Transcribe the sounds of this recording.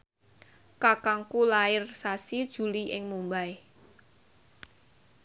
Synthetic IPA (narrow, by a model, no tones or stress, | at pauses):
kakaŋkulaɪrsasid̥ʒ̥ṳliʔɪŋmumbaj